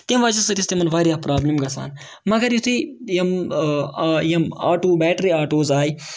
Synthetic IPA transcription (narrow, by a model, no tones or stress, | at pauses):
t̪imʋaːt͡ʃɐsɐt̪ist̪emɐnʋaːɾiapɾaːblimɡɐsa̰ːn | mɐɡɐɾjut̪ʰijɐm | jɐmaːʈuːbɛːʈɾiːaːʈoːzaːi